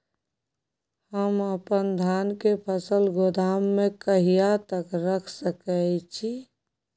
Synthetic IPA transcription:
həməpənd̪ʱaːnkepʰəsəlɡod̪aːmːẽkəɦijat̪əkɾəkʰsəkəɪt͡ʃʰi

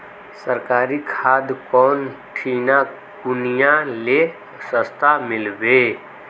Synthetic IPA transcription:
səɾkaːɾikʰaːd̪kɔːnʈʰiːna | kʊnijãle | səst̪ʰamɪlbe

